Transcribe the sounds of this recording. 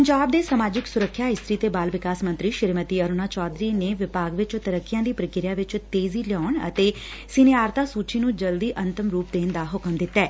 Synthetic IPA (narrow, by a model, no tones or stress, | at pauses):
pəɲd͡ʒaːb̚d̪eːsəmaːd͡ʒɪksʊɾəkʰːjaːɦɪst̪ɾiːt̪eːbaːlʋɪkaːsmə̃nt̪ɾiːʃɪɾmət̪iːəɾʊnaːt͡ʃɔːd̪ɾiːneːʋɪpaːɡʋɪt͡ʃt̪əɾəkʰːɪjãːd̪iːpɾəkɪɾijãːʋɪt͡ʃt̪eːziːlɔːɳə̰t̪eː | sɪneaːɾt̪aːsuːt͡ʃiːnũːd͡ʒəld̪iːʔə̃nt̪əmɾuːpd̪eːnd̪aːɦʊkəmd̪ɪt̪ːɛː